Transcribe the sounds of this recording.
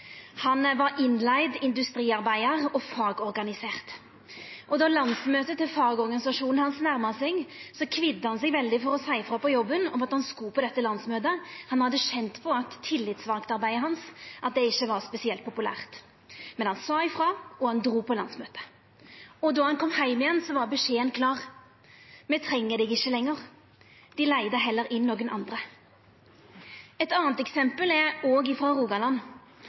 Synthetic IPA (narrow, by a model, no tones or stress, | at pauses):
hɑnʋɑɾɪnlæɪd̪ɪnd̪ʉst̪ɾiːɑɾbæɪəʁɔfɑːɡɔɾɡɑnɪseːʁt̪ | ʔɔd̪ɑlɑnsmøːt̪ət̪ɪlfɑːɡɔɾɡɑnɪsɑʂuːnn̩hɑnsnæɾməsɛɡsɔkʰʋɪd̪ːəhɑnsɛɡʋɛld̪ɪfɔɾɔsæɪfɾɑpɔjɔbːənɔmɑt̪hɑnskuːpɔd̪ɛt̪ːəlɑnsmøːt̪əhɑnhɑd̪ːəʃɛnt̪pʰɔɑt̪ʰːɪlːɪt̪sʋɑːkt̪ɑɾbæɪəhɑnsʔɑt̪̚d̪ɛɪçːəʋɑɾspɛsɪɛlt̪̚pʰʊpʉlæ̰ːʁt̪ | mɛnhɑnsɑːɪfɾɑːɔhɑnd̪ɾuːpʰɔlɑnsmøːt̪ə̥ | ɔd̪ɔhɑnkʰɔmhæɪmɪjɛnsɔʋɑɾbəʂeːənkʰlɑːʁ | mɛt̪ʰɾɛŋːəd̪ɛɡɪçːəlɛŋːəʁ | d̪̥ɪlæɪd̪əɦɛlːəɾʔɪnːoːɡənʔɑ̰nd̪ɾə | ɛt̪ɑːnt̪ɛksɛmpəlɛɾoːɡɪfɾɑːʁuːɡɑlɑn